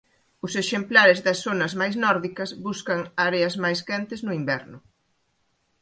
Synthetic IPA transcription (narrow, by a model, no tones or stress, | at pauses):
ʊseʃemplaɾɪzðɐsonɐzmajznɔɾðikɐzβuskɐŋaɾeɐzmajskɛnt̪ɪznʊimbɛɾnʊ